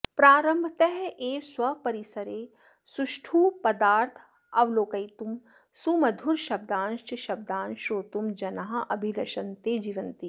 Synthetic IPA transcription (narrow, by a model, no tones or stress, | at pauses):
pɾaːɾə̃mbʱt̪ɛɦʔeːswɐpɐɾisɐɾeː | suʃʈʰuːpɐd̪aːɾt̪ʰ | ɐʋloːkɐjt̪um | sumɐd̪ʱuɾʃɐb̚d̪aːnʃt͡ʃʃɐb̚d̪aːnʃoːt̪umd͡ʒɐnaɦɐʔɐbʱilɐʃɐnt̪eːd͡ʒiːʋɐnt̪i